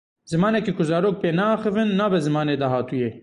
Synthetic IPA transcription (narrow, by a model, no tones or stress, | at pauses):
z̥ɨmɑːnɛkeːkʰʊzɑːɾoːk̚peːnɛɑːxɨvɨnːɑːbɛzɨmɑːneːd̪ɑːɦɑːt̪ujeː